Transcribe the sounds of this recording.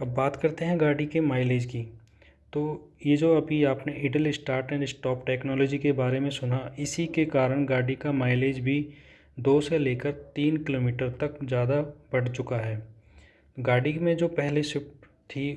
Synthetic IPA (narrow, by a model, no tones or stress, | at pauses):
ɐbːaːt̪kɐɾt̪eɦɛ̃ɡaːɖikemaːɪleːd͡ʒki | t̪oːjed͡ʒoːɐbʱiaːpneʔɪɖəlɪsʈaːɾʈnẽd͡ʒɪsʈɔːpʈɛːknɔːlɔːd͡ʒikebaːɾemẽsʊnaɪsikekaːɾəɽ̃ɡaːɖikamaːɪleːd͡ʒbʱi | d̪oːseleːkəɾt̪iːnkɪloːmiːʈəɾt̪ɐkzjaːd̪ab̥ɐɽt͡ʃʊkaɦɛː | ɡaːɖimẽd͡ʒoːpɛɦleʃɪp | t̪ʰi